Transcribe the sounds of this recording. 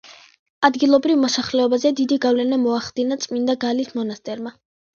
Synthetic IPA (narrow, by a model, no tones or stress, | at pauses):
ad̪ɡilˠɔbɾivmɔsaχlɛɔbazɛd̪id̪iɡavlɛnamɔaχd̪inat̪sʼmind̪aɡalismɔnast̪ʼɛɾma